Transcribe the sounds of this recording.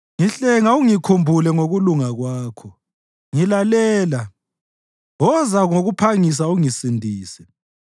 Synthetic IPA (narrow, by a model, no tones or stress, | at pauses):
ŋiɬɛŋauŋikʰumbʱulɛŋoɣuluŋaɣwaːkʰɔ | ŋilalɛːla | ɔzaɣoɣupʰaŋis̬auŋisindʱiːsɛ̥